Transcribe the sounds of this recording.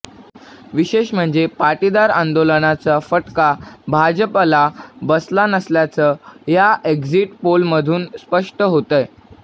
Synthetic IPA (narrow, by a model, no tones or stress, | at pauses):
ʋiɕeɕm̤əɳd͡zepaʈid̪aɾa̰nd̪olənat͡safəʈkabʱad͡ʑəplabəslanəsljat͡səːjaʔeɡd͡ziʈpolməd̪ʱuːnspəʂʈəɦot̪əj